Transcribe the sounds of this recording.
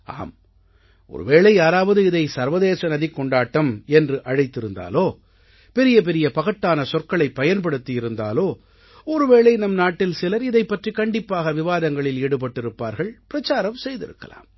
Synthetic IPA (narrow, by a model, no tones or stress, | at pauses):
a̰ːm | ʔɔ̰ɾɯ̰ʋeːɭɐɪjaːɾaːʋɐðɯɪðɐɪsɐɾʋɐðeːsɐnɐðikːɔɳɖaːʈːɐmɛndrɯʔɐɻɐɪt̪ːɪɾɯnd̪a̰ːloː | pɛɾɪjɐp̬ɛɾɪjɐpɐɣɐʈːaːnɐsɔrkɐɭɐɪpːɐjɐnpɐɽɯt̪ːijɪɾɯnd̪a̰ːloː | ɔɾɯʋeːɭɐɪnɐmnaːʈːɪlsɪlɐɾɪðɐɪpːɐʈrikɐɳɖɪpːaːɣɐʋɪʋaːðɐŋɡɐɭɪleːɽɯp̬ɐʈːɪɾɯpːa̰ːɾɣɐɭpɪɾɐt͡ʃːaːɾɐmsɛjðɪ̰ɾɯ̰kːɐ̰la̰ːm